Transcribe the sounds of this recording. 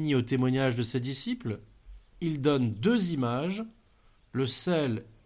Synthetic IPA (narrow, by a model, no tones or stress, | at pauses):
niot̪emwaɲaʒd̪əsed̪isipl | ild̪ɔnd̪øzimaʒ | ləsɛl